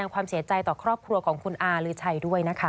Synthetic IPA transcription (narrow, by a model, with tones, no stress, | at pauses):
aː˧ŋkʰwaː˧msi˩˦ɐt͡ɕa˧jt̪ɔː˨˩kʰɾɔː˥˩p̚kʰɾu˧ɐkʰɔː˩˦ŋkʰu˧nʔaː˧ɾɯː˨˦t͡ɕʰa˧jdu˥˩əjna˦˥kʰa˦˩